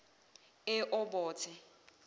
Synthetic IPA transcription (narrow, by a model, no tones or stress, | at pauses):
ɪʔʊbɔːt͡sʰɪ